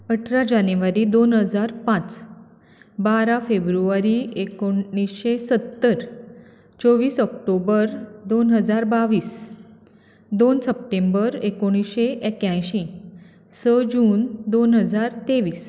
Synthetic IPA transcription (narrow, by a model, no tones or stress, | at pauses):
əʈʰɾad͡ʑanʋaɾiːd̪onɦəd͡zaɾpãt͡s | baɾafebɾuʋaɾiːekoisɕesət̪ːəɾ | t͡soʋiːsɔkʈobəɾd̪onɦəd͡zaɾbaʋiːs | d̪onsəp̚ʈembəɾekoɽ̃isɕeʔekjãjɕĩ | səd͡ʑuːnd̪onɦəd͡zaɾt̪eʋiːs